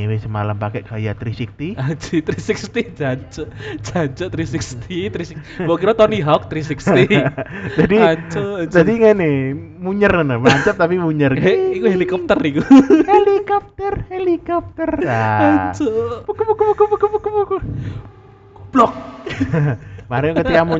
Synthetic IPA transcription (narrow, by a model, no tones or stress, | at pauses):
wesəmalampakɛʔkajat̪ɾisik̚t̪iat͡ʃit̪ɾisikst̪id͡ʒaɲt͡ʃɔʔd͡ʒat͡ʃɔʔt̪ɾisikst̪ʰit̪ɾisi | bokiɾat̪ɔniɦɔk̚t̪ɾisikst̪id͡ʒadiaɲt͡ʃɔd͡ʒadiŋane | muɲərənəmaɲt͡ʃap̚t̪apimuɲərikuɦelikɔp̚t̪ərikuhelikɔp̚t̪ərhelikɔp̚t̪ərjaat͡ʃopukpukpukpukupukupuk | b̥lɔk̚ | maɾɛkət̪ikamu